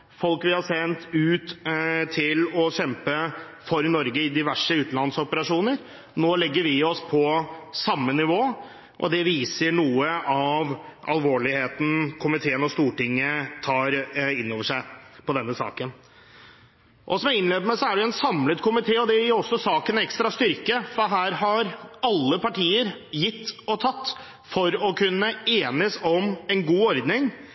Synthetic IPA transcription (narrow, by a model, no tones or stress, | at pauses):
fɔlkʋɪhɑʂɛnt̪ʉːt̪t̪ʰɪlɔɕɛmpə | fɔɾnɔɾɡəɪd̪ɪʋæʂəʉːt̪n̩lɑnsɔpəɾɑʂuːnəɾ | noːlɛɡːəɾʋɪɔspʰɔsɑmːənɪʋoː | ʔɔ̰d̪ɛʋiːsəɳuːəʔɑʋʔɑ̰lʋoːɭɪheːt̪n̩kʰʊmɪt̪ʰeːənɔst̪uːʈɪŋːət̪ʰɑːɾɪnːoːʋəʂæɪpʰɔd̪ɛnːəsɑ̰ːkən | ʔɔsɔmjæɪnleːbəmæsɔæɖɛjʊɛnsɑmlət̪kʰʊmɪt̪ʰeːɔd̪ɛjɪɾɔsːɔsɑːkənɛkst̪ɾɑst̪ʏɾkəfɔɦæːɾɦɑɾɑlːəpɑʈiːəɾjɪt̪ːɔt̪ʰɑt̪ː | fɔɾɔkʰʉnːəeːnəsɔmɛnɡuːɔɾd̪nɪŋ